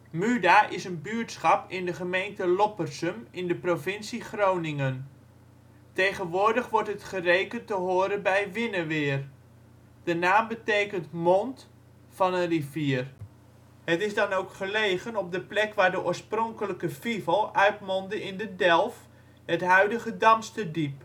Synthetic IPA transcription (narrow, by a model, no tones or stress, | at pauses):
mydaʔɪsənbyəɹtsχɑpɪndəχəmejntəlɔpərsəmɪndəprovɪnsiχrownɪŋən | tejχənʋʊːɹdəχʋɔɹtɦətχərejkəntəɦʊːɾənbɛjʋɪnəʋɪːr | d̥ənaːmbətejkəntmɔnt | fɑnənriviːər | hətɪzdɑnowkχəlejχənɔb̚dəplɛkʋaːɹdəʔʊːɹsprɔŋkələkəfivəlˠœɥtmɔndəɪndədɛlˠf | ɦətɦœɥdəχədɑnstədip